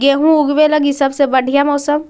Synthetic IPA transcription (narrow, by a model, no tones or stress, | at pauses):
ɡeːɦũʊɡbeləɡisɐbsebɐɽʱijamɔːsəm